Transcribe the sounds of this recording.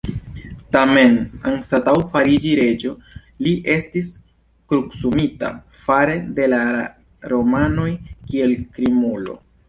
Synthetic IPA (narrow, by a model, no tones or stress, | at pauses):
tame̞na̰nsatawfaɾid͡ʒiɾe̞d͡ʒo̞ | liʔe̞stis | kɾuksumita̰ | faɾe̞de̞la | ɾo̞mano̞jkie̞lkɾimulo̞̰